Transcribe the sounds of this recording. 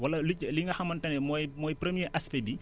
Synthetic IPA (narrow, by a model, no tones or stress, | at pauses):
wɐlɐlucːliŋɐxɐmɐntɐnɛmɔjmɔjpɾemiəʔɐspebi